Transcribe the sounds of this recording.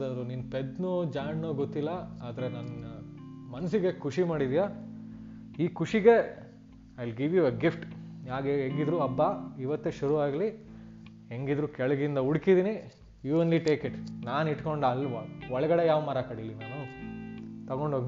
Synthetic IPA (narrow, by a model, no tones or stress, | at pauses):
ɐʋɾuninped̪nud͡ʒaːɳnoɡot̪ːilːɐaːd̪ɐɾenɐnɐmɐnɐsiɡe̞kuʂimaːɽid̪ija | iːkuʂiɡe̞ | ɐjlɡiʋjueɡifʈjaːɡeɦeŋɡid̪ɾuɐbːaiʋɐt̪ːeʃuɾuʋaːɡɐli | ɦeŋɡid̪ɾuːkɛɭɐɡind̪ɐuɽkid̪iːni | juːɐnliʈeːkiʈnaːniʈkoɳɖɐlːʋʋɔɭɐɡɐɽejaːʋmɐɾakɐɽilːinaːnu | t̪ɐɡoɳɖɦoɡ